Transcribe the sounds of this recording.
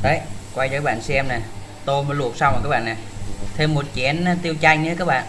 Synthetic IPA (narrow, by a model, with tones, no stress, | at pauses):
ɗə˨˦jkwa˧ja˧aː˦˥ɓa̰ː˧˨nsɛ˧mna˨˩ | t̪o˧jmə˨˦lu˨˩ək̚sa˧wkaː˦˥k̚ɓ̰ːna˨˩jt̪ʰe˧mːo˨˩t̚t͡ɕɛ˨˦ən˧˦t̪i˧əwt͡ɕa˧jŋ̟ː˧˨˦kaː˦˥ɓa̰ː˧˨n